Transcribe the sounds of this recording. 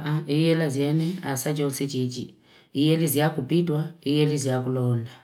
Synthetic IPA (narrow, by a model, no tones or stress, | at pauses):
ʔaijɛlazjɛnɛasat͡ʃɔsit͡ʃit͡ʃḭ | ijɛlizjakupitwaijɛlizjakulɔnda